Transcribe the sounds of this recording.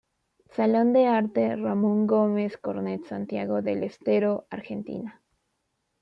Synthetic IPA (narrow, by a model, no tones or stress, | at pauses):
salo̞nd̪e̞aɾt̪e̞ramõŋɡo̞me̞sko̞ɾnet̪sant̪jaɣo̞ðe̞lest̪e̞ɾo̞ʔaɾxe̞nt̪ḭna